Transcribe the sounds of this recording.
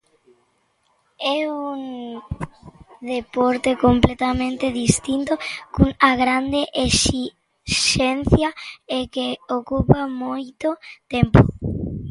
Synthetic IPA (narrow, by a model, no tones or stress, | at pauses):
ɛuŋ | d̪epoɾt̪ekomplet̪amẽnt̪eðist̪int̪okuŋaɣɾand̪eʔesi | ʃen̟θjaekeokupamojt̪ot̪empo